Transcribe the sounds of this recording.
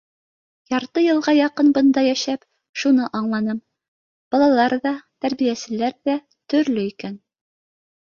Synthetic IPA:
jɑɾt̪ɤjɤ̆lˠʁɑjɑqɤnbɤ̆nd̪ɑjæʃæp | ʃunɤʔɑɴlˠɑnɤm | b̥ɑlˠɑlˠɑɾðɑt̪æɾβijæsɘ̆læɾðæ | t̪ɵ̆ɾlɵikæn

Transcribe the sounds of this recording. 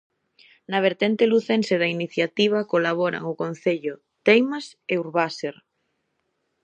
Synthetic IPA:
naβ̞eɾt̪ent̪eluθenseðainiθjat̪iβ̞akolaβ̞ɔɾa̰ŋʊkõn̟θeʎʊ | t̪ejmas | euɾβaseɾ

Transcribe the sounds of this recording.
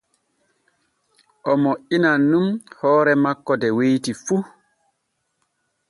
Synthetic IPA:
ʔɔmoʔinanːumhɔːɾɛmakːɔdɛwejtifu

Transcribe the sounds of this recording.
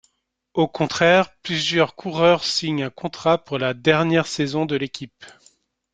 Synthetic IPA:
okɔ̃t̪χɛʁplyzjœʁkʰuʁœʁsiɲɛ̃kɔ̃t̪χapuʁlad̪ɛʁnjɛʁsɛzɔ̃d̪əlekʲip

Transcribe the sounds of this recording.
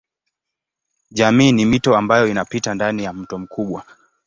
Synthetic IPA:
ʄamiːnimitɔambajɔinapitandanijam̩tɔm̩kʰuɓwa

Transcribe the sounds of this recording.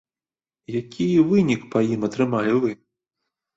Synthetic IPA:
jakʲʰivɨnʲikpɐjimɐt̪ɾɨmalʲivɨ

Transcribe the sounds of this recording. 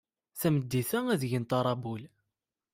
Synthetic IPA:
θæməd̪ːiθææðʝənt̪ɑɾˤɑbul

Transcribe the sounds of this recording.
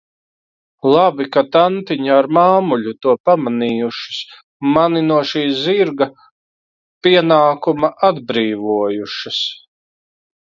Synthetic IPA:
lˠabikat̪ant̪iɲaːɾmaːmuʎʲut̪uɔpamaniːjuʃi̥s | maninuɔʃiːziɾɡɐ | piɛnaːkumɐʔad̪bɾiːvuɔjuʃɐs

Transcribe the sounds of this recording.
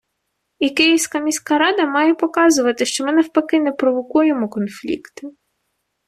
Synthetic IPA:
ikɪjiwsʲkɐmʲisʲkɐɾɑd̪ɐmɑjɛpɔkɑzʊʋɐt̪ɪʃt͡ʃɔmɪnɛwpɐkɪnɛpɾɔʋɔkujemɔkɔnflʲḭkt̪ɪ

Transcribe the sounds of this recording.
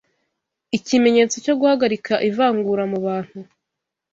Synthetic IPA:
icime̞ɲe̞ːt͡so̞co̞ɡuhaɡaɾikʰaʔivaːŋɡuːɾamuβaːn̥hu

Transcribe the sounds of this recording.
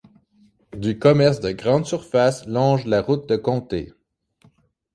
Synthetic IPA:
d̪ykɔmɛʁsd̪əɡʁɑ̃d̪syʁfaslɔ̃ːʒlaʁut̪̚d̪əkɔ̃t̪ḛ

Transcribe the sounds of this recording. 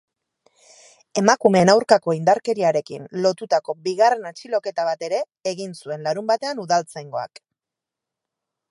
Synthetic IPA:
e̞makume̞nawɾkako̞ind̪aɾke̞ɾiaɾe̞kḭnlo̞t̪ut̪ako̞biɣare̞nat͡ʃilo̞ke̞t̪aβat̪e̞ɾe̞ːɣinsue̞nlaɾumbat̪e̞anuðalt͡sajŋɡo̞a̰k

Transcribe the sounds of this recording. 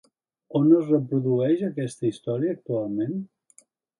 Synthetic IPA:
onəzrəp̬ɾuðuɛʃəkɛst̪əist̪ɔɾiəːk̚t̪ualˠmen

